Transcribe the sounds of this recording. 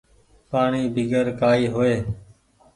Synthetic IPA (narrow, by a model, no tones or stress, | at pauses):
paːɳiːbʱɪɡəɾkaːiːɦoːeː